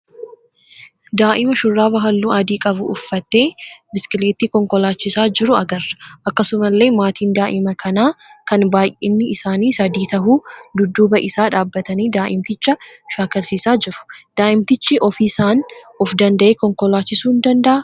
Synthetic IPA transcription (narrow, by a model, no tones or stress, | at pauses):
d̪aːʔɪmɐʃʊrːaːbɐɦɐlːuːʔɐd̪iːkʼɐbʊ̰ʊfːɐt̪ːe̞ːbɪsɪ̥kɪleːt̪iːkɔŋkɔlaːt͡ʃːɪsaːd͡ʒɪɾʊɐɡɐrːɐ̥ʔɐkːɐsʊmɐlːe̞ːmaːt̪iːnd̪aːʔɪmɐkʰɐnaːkɐnbaːjʔɪnːɪɪsaːniːsɐd̪iːt̪ɐɦuːd̪ʊd̪ːuːbɐʔɪsaːᶑaːbːɐt̪ɐniːd̪aːʔɪmt̪ɪt͡ʃːɐʃaːkɐɾsiːsaːd͡ʒɪɾʊ̥d̪̥aːʔɪmt̪ɪt͡ʃːɪʔɔfisaːnɔfd̪ɐnd̪ɐʔeːkɔŋkɔlaːt͡ʃːɪsuːɪnd̪ɐnd̪ɐʔɐ